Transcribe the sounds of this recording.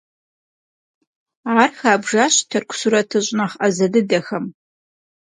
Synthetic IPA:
aːrxaːbʐaːɕtʰɐrkʷʰʊ̥suɾɐtʰɨɕʼnɐχɐzɐdɨdɐxɐm

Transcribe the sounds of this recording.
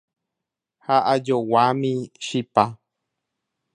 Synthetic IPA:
haʔad͡ʒowamĩʃipa

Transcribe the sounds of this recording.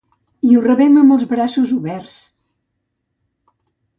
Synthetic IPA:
iurəβɛməmbəlˠzβɾasuzuβɛrs

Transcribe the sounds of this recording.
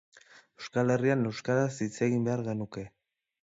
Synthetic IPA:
e̞wskale̞riane̞wskaɾasit͡se̞ɣimbe̞aɾɣe̞nuke̞

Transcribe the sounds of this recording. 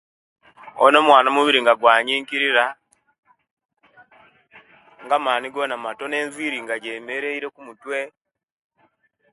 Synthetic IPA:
o̰no̞mwaːnamuβiɾiŋɡaɡwaːɲiːɲkiɾiɾa | ŋɡamaːniɡo̞namato̞ne̞ːnziːɾiŋɡaɟe̞ːme̞ɾe̞iɾe̞kumutwe̞

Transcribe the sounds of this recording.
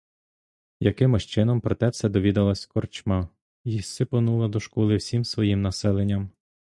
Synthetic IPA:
jɐkɪmɪʃt͡ʃɪnɔmpɾɔt̪ɛwsʲɛd̪ɔʋʲid̪ɐlˠɐsʲkɔrt͡ʃma | issɪpɔnulˠɐd̪ɔʃkɔlˠɪwsʲimsʋɔjimnɐsɛlˠenʲːɐm

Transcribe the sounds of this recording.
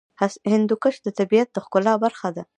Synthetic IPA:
hashɪnd̪ukəʃd̪ət̪abijat̪̚d̪əxkʊlɑbaɾxad̪a

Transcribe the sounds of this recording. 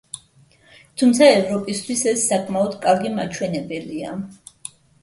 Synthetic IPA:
t̪ʰumt̪sʰaɛvɾɔpʼist̪ʰwisɛsːakʼmaɔd̪kʼaɾɡima̰t͡ʃʰwɛnɛbɛlia

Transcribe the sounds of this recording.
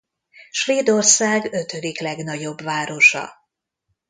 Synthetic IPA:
ʃʋeːd̪orsaːɡø̞t̪ød̪iklɛɡnɒɟo̞bʋaːɾo̞ʃɒ̰

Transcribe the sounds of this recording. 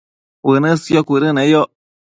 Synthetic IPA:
wɨnɨsiokʷuɾɨnẽjo

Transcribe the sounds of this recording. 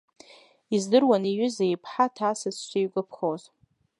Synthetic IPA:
izdɨrwanijɥʏzejpʰħatʰaːsɨzʃʷijɡʷʼʊpʰχoz

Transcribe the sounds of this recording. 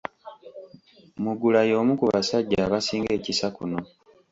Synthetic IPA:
muɡulajo̞ːmukuβasaɟːaːβasiːŋɡe̞ːcisakuno̞

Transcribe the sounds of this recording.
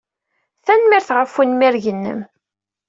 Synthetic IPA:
θænmiɾθʁəfːunmiɾʝənːə̰m

